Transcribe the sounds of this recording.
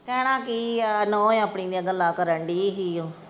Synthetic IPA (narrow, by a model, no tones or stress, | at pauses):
kɛːɽ̃ãːkiːnõːẽapɳiːd̪ijãɡəlːaːkəɾəɳɖiːɦijoː